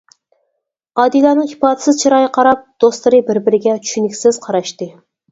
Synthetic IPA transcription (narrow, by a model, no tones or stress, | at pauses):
ɑːd̪ijlˠɑnɨŋhi̥pɑːd̪ɪ̥sɪzt͡ʃʰiɾɑːjɨqʰɑɾɑp̚d̪̥ost̪lˠɨɾɨbɪɾbɪɾɪɡʲɛt͡ʃʰy̥ʃynɪkʲsɪz̥qʰɑɾɑʃt̪ɨ